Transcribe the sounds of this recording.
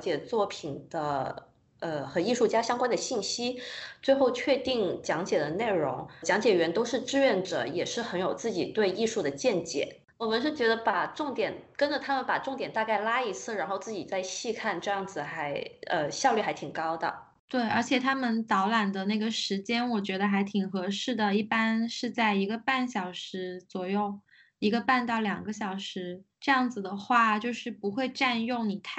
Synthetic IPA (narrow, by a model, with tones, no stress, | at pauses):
t͡ɕjɛ˨˩t͡swɔ˥˩pʰi˨˩nd̪̥ə˦ | ə˧xə˨˩˦ni˥˧ʂu˥˩t͡ɕja˥ɕjɑ˥ŋkwa˥nd̪ə˨ɕi˥˩nɕi˥t͡swe˥˧ɪxo˥˧ʊt͡ɕʰɥɛ˥˧t̪i˥˩ŋt͡ɕjɑ˧˥ŋt͡ɕjɛ˨˩d̪ə˦ne˥˩ɪɻʊ̰˧˥ŋt͡ɕjɑ˧˥ŋt͡ɕjɛ˨˩ɥɛ˧˥nt̪o˥ʊʂɻ̩˥˧ʈ͡ʂɻ̩˥˧ɥɛ˥˩nʈ͡ʂɤ̰˧˩jɛ˨˩ʂɻ̩˥˩xə˧˥njo˨˩ʊt͡sɹ̩˥˩t͡ɕi˨˩t̪we˥˧ɪi˥˧ʂu˥˩d̪ə˩t͡ɕjɛ˥˩nt͡ɕjɛ̰˨˩˦ | wɔ˨˩mə˦nʂ̬ɻ̩˥˩t͡ɕɥɛ˧˥d̪ə˧pa˨˩ʈ͡ʂʊ˥˩ŋt̪jɛ˨˩nkə˥nʈ͡ʂə˨˩t̪ʰa˥mə˨npa˨˩ʈ͡ʂʊ˥˩ŋt̪jɛ˨˩nt̪a˥˧ka˥˩ɪla˥i˧˥t͡sʰɹ̩˥˩ɻa˧˥nxo˥˧ʊt͡sɹ̩˥˩t͡ɕi˨˩t͡sa˥˧ɪɕi˥˧kʰa˥˧nʈ͡ʂɤ˥˧jɑ˥˩ŋd͡zɹ̩˩xa˧˥ɪə˧ɕjɑ˥˧ʊly˥˩xa˧˥ɪt̪ʰi˨˩ŋkɑ˥ʊd̪ə̰˨˩ | t̪we˥˩ɪʔə˞˧˥t͡ɕʰjɛ˨˩t̪ʰa˥mə˨nt̪ɑ˧˥ʊla˨˩nd̪ə˩na˥˩ɡə˩ʂɻ̩˧˥t͡ɕjɛ˥nwɔ˨˩t͡ɕɥɛ˧˥d̪ə˧xa˧˥ɪt̪ʰi˨˩ŋxɤ˧˥ʂɻ̩˥˩d̪ə˩i˥˩pa˥nʂɻ̩˥˧t͡sa˥˩ɪi˧˥ɡə˧pa˥˩nɕjɑ˨˩ʊʂɻ̩˧˥t͡swɔ˨˩jo˥˩ʊ | i˧˥ɡə˧pa˥˧nt̪ɑ˥˩ʊljɑ˨˩ŋɡə˦ɕ̬jɑ˨˩ʊʂɻ̩˧˥ʈ͡ʂɤ˥˧jɑ˥˩ŋd͡zɹ̩˩d̪ə˩xwa˥˩t͡ɕjo˥˧ʊʂɻ̩˥˩pu˧˥xwe˥˧ɪʈ͡ʂa˥˧njʊ˥˩ŋni˨˩t̪ʰ